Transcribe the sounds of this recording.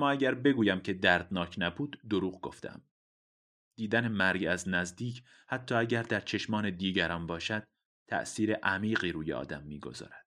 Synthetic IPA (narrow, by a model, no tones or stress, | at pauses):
æmːɒːæɟæɾbe̞ɡuːjæmcʰe̞d̪æɾd̪nɒːcʰnæbuːd̪ːoɾuːɣɡo̞ft̪ḛm | d̪̥iːd̪ænemæɾɡæznæzd̪iːcʰ | hæt̪ʰːɒːæɟæɾd̪æɾt͡ʃʰe̞ʃmɒːne̞d̪iːɟæɾɒːnbɒːʃæd̪̥̚ | t̪ʰæ̰ʔsiːɾeʔæmiːɣiːɾuːjḛɒ̰ːd̪æmːiːɡo̞̰zɒ̰ːɾæd̪̥